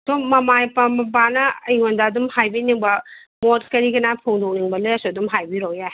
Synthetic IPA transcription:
domɐmajpamɐbanɐɐjŋondaːdumhajbiniŋbɐ | mot̚kɐɾiɡɐnapʰoŋdowniŋbɐlɐjasuɐdumɦajbiɾowja

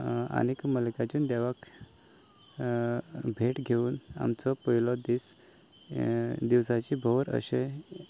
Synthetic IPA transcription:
a̰nekməlkat͡ɕuːnd̪ɛʋak | bʱeʈɡʱeuːna̰mt͡sɔpəɦilɔd̪is | d̪iʋsat͡ɕiːbʱəʋɾə̰ɕe

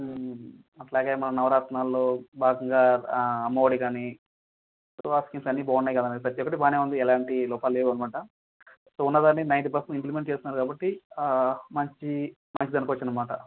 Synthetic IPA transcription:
ɐʈlaːɡeːmɐnɐnɐʋɐɾaːʈ̪naːlːoːbʱaːɡɐŋɡaːɐmːɐʋoːɽikaːni | soaːskimsɐnːibɔːnːɐjkɐd̪ɐned̪ipɾɐt̪ijɔkːɐʈ̬ibaːneːʋund̪iɛlaːɳʈilɔːpaːlːeʋɐnmɐʈɐ | soːunːɐd̪aːnːinɐjnt̪ipɐɾsɐnimplimeɳʈ̚t͡ʃe̞ːst̪inːaːɾukaːbɐʈːi | mɐɲt͡ʃi | mɐɲt͡ʃid̪ɐnɐkʋɐt͡ʃːinɐmaːʈɐ

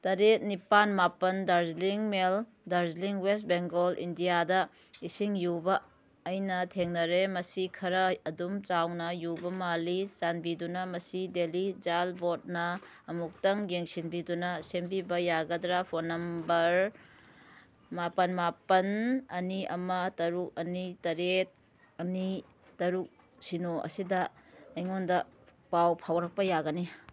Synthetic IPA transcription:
tɐɾet̚nipanmapɐndaɾzliŋmel | daɾzliŋwest̚beŋɡolʔḭndijadɐ | isiŋjubɐː | jnɐtʰeŋnɐɾemɐsikʰɐɾɐːdumt͡ʃawnɐjubɐmalit͡ʃanbidunɐmɐsidelid͡ʒalbot̚nɐː | muk̚tɐŋɡeŋsinbidunɐsembibɐjaɡɐdɾapʰonːɐmbɐɾ | mapɐnmapɐnɐniɐ̰mɐtɐɾuk̚ɐnitɐɾet̚ | ɐni | tɐɾuk̚ | sinoʔɐ̰sidɐɐjŋondɐpawpʰawɾɐk̚pɐjaɡɐni

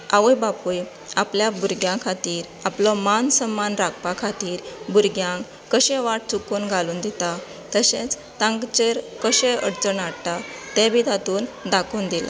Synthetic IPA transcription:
aʋəjbapuj | apljabuɾɡjãkʰat̪iːɾ | aplɔmansəmːanɾakpakʰat̪iːɾbuɾɡjãŋk | kəɕẽʋaʈ̚t͡sukuːnɡʱaluːnd̪it̪a | t̪əɕẽt͡s | t̪ãŋɡt͡ɕeɾkəɕẽə̰ɽt͡səɳaɽt̪at̪ɛ̃bid̪ʱat̪uːnd̪akuːnd̪ila̰

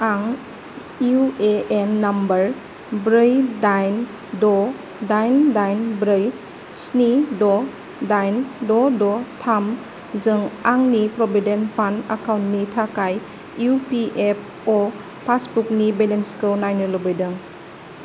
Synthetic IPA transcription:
aŋ | ueʔenːambɐɾ | bɾɯjdajn | dɔ | dajndajnbɾɯj | snidɔ | dajndɔdɔtʰam | zɯŋaŋnipɾɔbidenpʰanda̰kawntnitʰakaj | upiʔep̚ʰ | ɔ | pʰasbuk̚nibelenskɯnajnɯlobɯjdɯŋ

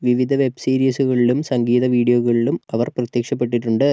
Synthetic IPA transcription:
ʋiʋid̪ʱɐʋe̞bsiːɾiːsuɣɐɭilumsɐŋɡiːðɐʋiːɽijoːɣɐɭilumɐʋɐrprɐt̪jɐkʂɐp̬ːe̞ʈ̬ːiʈːuɳɖɨ

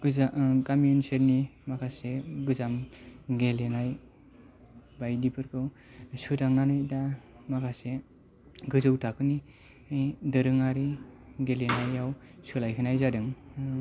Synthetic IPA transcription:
ɡɯzakamjunseɾnimakʰaseɡɯzamɡelenaj | bajdipʰɯɾkʰɯw | sɯdaŋnanajdamakʰase | ɡɯzɯwtʰakʰɯni | jdɯɾɯŋaɾiɡelenajawsɯlajkʰɯnajzadɯŋ

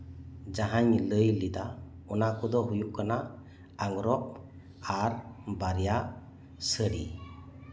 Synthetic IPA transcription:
d͡ʒaɦaɲləjlid̪a | ɔnakʰud̪ɔɦujuʔkanaʔ | aŋɾɔʔ̚ | aɾbaɾjaʔ | səɾḭ

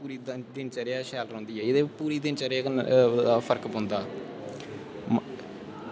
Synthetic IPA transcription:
puːɾiːd̪d̪ɪnt͡ʃəɾjaːʃɛːlɾõːnd̪iːɦɛːed̪eːpuːɾiːd̪ɪnt͡ʃəɾaːaːpʰəɾkbõnd̪aː | m

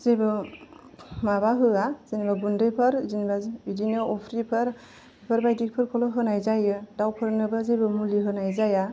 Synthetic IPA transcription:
z̥ebɯ | mabaɦɯazinibaɡundɯpʰɯɾzinibaidinɯɔpʰɾipʰɯɾ | pʰɯɾbajdik̚pʰɯɾkʰɔlɔɦɯnajzajɯdawpʰɯɾnɯbɯzebɯmuliɦɯnajzaja

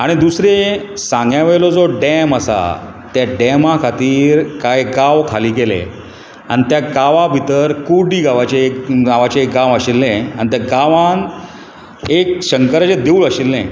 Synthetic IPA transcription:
aɽ̃id̪usɾe | sãŋɡjaʋeɭlɔd͡zoɖɛməsa̰ | t̪jaɖɛmãkʰat̪iːɾkajɡaʋkʰaliːɡelḛ | a̰ñit̪jaɡaʋabʱit̪əɾkuɽiːɡaʋat͡ɕeekɡaʋat͡ɕeːk̚ɡãʋəɕilːẽa̰nit̪jaɡaʋan | ek̚ɕəŋkəɾat͡ɕed̪euːɭəɕilːẽ

